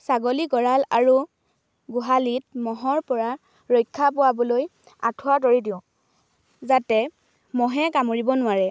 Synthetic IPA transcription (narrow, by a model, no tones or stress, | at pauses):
saɡoliɡɔɹalaɹu | ɡʊɦalit̚mɔɦɔɹpɔɹa | ɹojkʰːapʊwabɔloj | a̰tʰʊwatoɹidiʊ̃ | zatɛ | mɔɦɛkamoɹibɔnʊaɹɛ